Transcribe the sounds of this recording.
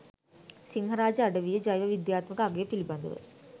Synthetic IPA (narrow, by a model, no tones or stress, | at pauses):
siŋɦəɾaːd͡ʒəaɖəʋijəd͡ʒajʋɐʋid̪jaːt̪məkəaɡejːpilibɐnd̪ṵʋə̰